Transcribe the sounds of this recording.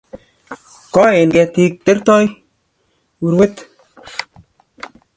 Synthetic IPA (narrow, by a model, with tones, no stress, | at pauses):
kɔ˦e˨nɡɛ˧t̪i˧t̪e˦ɾt̪ɔ˦j | wu˨ɾwe˦t̪